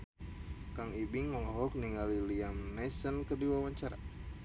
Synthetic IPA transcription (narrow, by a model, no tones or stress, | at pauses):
kaŋibiŋlɔɦɔk̚niŋaliliamnɛsənkərdiwawaɲt͡ʃaɾa̰